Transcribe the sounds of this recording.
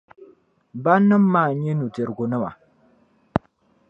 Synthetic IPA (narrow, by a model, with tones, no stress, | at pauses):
ba˦nːə˦mːa˦˨ɲe˦nu˨te˨ɾɡu˨nə˦ma̰˨